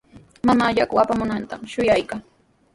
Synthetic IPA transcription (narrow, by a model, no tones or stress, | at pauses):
mamaʎakʊapamʊnant̪amʃʊjajkaŋ